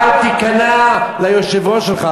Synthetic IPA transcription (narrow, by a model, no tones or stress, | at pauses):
t̪ikanalajoʃevoʃelχa